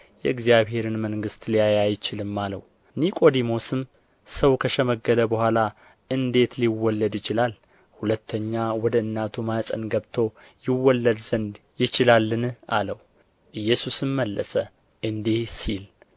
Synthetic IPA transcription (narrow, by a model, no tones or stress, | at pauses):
jɛɨɡzijaβhe̞ɾɨnməŋɡɨst̪lijajajt͡ʃɪlɨmːalə̰w | nikʼo̞d̪imo̞sɨm | səwkʰəʃɛməɡːəd̪əbəhʷala | ʔɨnd̪e̞t̪liwɔlːəd̪jɪt͡ʃɪlal | hulət̪ʰːəɲːawɔd̪əɨnːat̪ʰumasʼə̰nɡəβt̪ʰo̞ | jɪwːɔlːəd̪z̥ənd̪ | jɪt͡ʃɪlalːɨna̰ləw | ʔɨjːɛsusɨmməlːə̰sə | ʔɨnd̪ihsil